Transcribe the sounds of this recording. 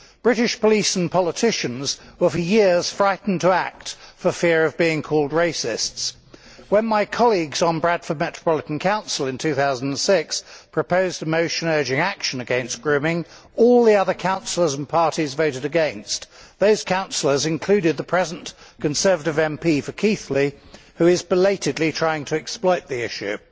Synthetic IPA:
b̥ɹɪɾɨʃpəlisn̩pʰɑlˠətʰɪʃɨ̃nzwəfəjɪəɹz̥fɹaɪʔn̩tʰəæk̚tfəfɪɹʌvbiɪ̃ŋkʰɔlˠd̚ɹeɪsɪsts | wə̃nmaɪkʰɑlˠiɡzn̩bɹæd̥fə˞d̚mɛtɹ̥ə̥pʰɑlˠətn̩kʰãʊ̃nsəlˠɨ̃ntʰʉθaʊzn̩də̃n̩sɪkspʰɹ̥əpʰəʊzdəmoʊʃɨ̃nɜ˞d͡ʒɪ̃ŋækʃɨ̃nɨɡɛ̃nsɡ̥ɹʉ̃mɪ̃ŋ | ɔlˠðiʌðə˞kʰãʊ̃nsl̩ˠə˞zə̃n̩pʰɑɹɾizvoʊɾɨɾɨɡɛ̃nstðəʊz̥kʰãʊ̃nsl̩ˠə˞zɨ̃nkʰl̥ʉɾɨd̪̚ðəpʰɹ̥ɛz̃n̩kʰɨ̃nsɜ˞vəɾɨvɛ̃mpifəkʰiθli | hʉɪzbəleɪɾɨdˡlitʰɹ̥aɪɪ̃ŋtʰɨɨksplɔɪt̪̚ðiɪʃʉ̰

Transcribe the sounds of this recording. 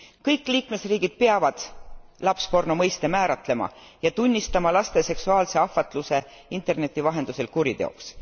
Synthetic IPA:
kɤjkːˑliːkme̞sriːɡid̪̥̚peɑvɑd̪̥lɑpspo̞rnomɤjst̪e̞mæːɾɑt̪ˑle̞mɑ̰ | jɑt̪unʲːist̪ɑmɑlɑst̪ese̞ksuɑːlse̞ɑfɑt̪ˑluse̞ | int̪ˑe̞rne̞t̪ʲːˑivɑɦe̞nd̪̥use̞lkuɾit̪e̞o̰ks

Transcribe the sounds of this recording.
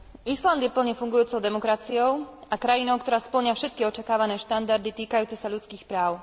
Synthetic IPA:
island̪jɛpl̩ɲɛfuŋɡujuːt͡sɔʊd̪ɛmɔkɾat͡sijɔʊʔakɾajinɔʊkt̪ɔɾaːspl̩ɲɪafʃɛt̪̚kiɔt͡ʃakaːʋanɛːʃt̪and̪aɾd̪it̪iːkajuːt͡sɛsalʎut͡skiːxpɾaːʊ

